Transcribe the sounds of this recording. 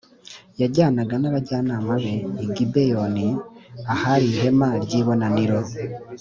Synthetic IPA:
jaɟaːnaɡanaɾaɟaːnamuβeːɡibejoniahaɾiɦe̞maɾɟiβo̞naniɾo

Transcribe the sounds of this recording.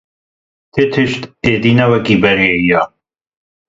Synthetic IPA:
t̪ʰet̪ʰɨʃt̪ed̪inɐwɐkibɐɾeija

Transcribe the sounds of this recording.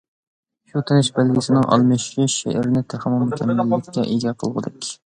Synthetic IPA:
ʃut̪ʰɪnɪʃbælɡʲɪsɪnɪŋʔɑ̰lˠmɨʃɪʃḛʔɾɪnɪt̪ʰæχmɑmukʲʰɛmːælːɪkʲkʲːɛʔid͡ʒɑːqʰəlˠʁə̰d̪ɪkʲ

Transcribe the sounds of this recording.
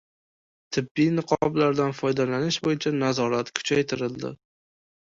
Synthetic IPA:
t̪ʰɪbːijnɨqʰɒblaɾd̪anfɒjd̪alanɪʃbojɪt͡ʃʰanazɒɾat̪kʰʊ̥t͡ʃʰajt̪ʰɪɾɪld̪ɪ̰

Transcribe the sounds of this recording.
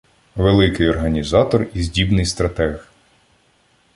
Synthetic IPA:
ʋelˠɪkɪjɔrɦɐnʲizɑt̪ɔrizʲdʲibnɪjst̪ɾɐt̪ɛɣ

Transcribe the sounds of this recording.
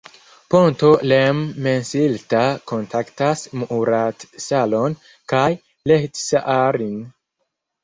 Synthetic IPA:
pontolemːensiltakontʰaktasmuʔuɾatsalon | kaj | lehtsaʔaɾin

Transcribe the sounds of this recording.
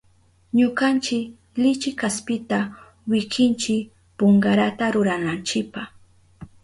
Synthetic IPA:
ɲʊkant͡ʃɪk | lɪt͡ʃɪkaspɪt̪a | wɪkɪnt͡ʃɪk | poɴɢaɾat̪aɾʊɾanant͡ʃɪpah

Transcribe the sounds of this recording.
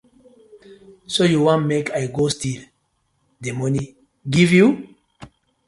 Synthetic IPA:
sojuwɔ̃nmekʰajɡostil | demɔnĩ | ɡivju

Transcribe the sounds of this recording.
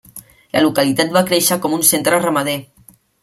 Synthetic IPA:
ləlukalit̪at̪̚bakɾeʃəkɔmunsent̪ɾərəmaðe

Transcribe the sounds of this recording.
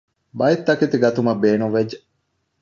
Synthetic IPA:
bɐit̪ːɐkit̪iɡɐt̪umɐbeːnuʋed͡ʒe

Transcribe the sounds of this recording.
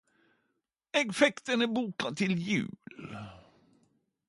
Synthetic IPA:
ɛɡfɛkt̪ənæbuːkat̪ʰɪljʉ̟̰ːl

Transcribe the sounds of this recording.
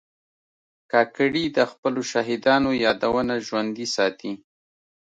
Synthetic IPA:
kɑkɽid̪əxpəloʃaɦɪd̪ɑnojɑd̪awənaʒwand̪isɑt̪i

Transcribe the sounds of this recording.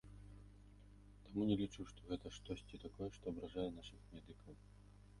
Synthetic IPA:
t̪amunʲɛlʲit͡ʂuʂt̪ɔɣɛt̪ɐʂt̪ɔsʲt͡sʲit̪akɔjɛʂt̪ɔɐbɾaʐajɛn̪aʂɨxmʲɛd̪ɨkʰɐw

